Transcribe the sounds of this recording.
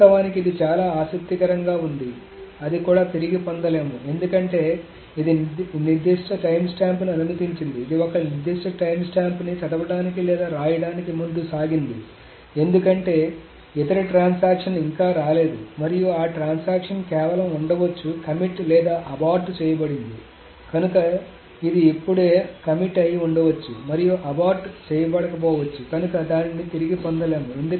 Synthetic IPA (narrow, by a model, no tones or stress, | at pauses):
ɐʋaːnikid̪it͡ʃaːlaːaːsɐk̚t̪ikɐɾɐŋɡaːund̪i | ɐd̪ikuːɽaːt̪iɾiɡipond̪ɐleːmue̞nd̪ukɐɳʈe̞ː | id̪iniɾd̪iʂʈʰɐʈɐjmsʈaːmpniɐnunɐt̪iɲt͡ʃind̪iːd̪iɔkɐniɾd̪iʂʈʰɐʈɐjmsʈaːmpnit͡ʃɐd̪ɐʋɐɽaːnikilɛːd̪aːɾaːjɐɽaːnikimund̪usaːɡind̪ḭ | e̞nd̪ukɐɳʈe̞ː | it̪ɐɾiʈɾaːnsaːkʂɐniŋkaːɾaːle̞ːd̪umɐɾijuaːʈɾaːnsaːkʂɐnkɛːʋɐlɐmuɳɖɐʋɐt͡ʃːukɐmiʈlɛːd̪aːʔɐbaːɾɖt͡ʃɛːjɐbɐɽind̪i | kɐnukɐ | id̪iepːuɽe̞ːkɐmiʈɐjiuɳɖɐʋɐt͡ʃːumɐɾijuʔɐbaːɾɖt͡ʃɛːjɐbɐɽɐkɐpɔːʋɐt͡ʃːukɐnukɐd̪aːninit̪iɾiɡipond̪ɐleːmue̞nd̪u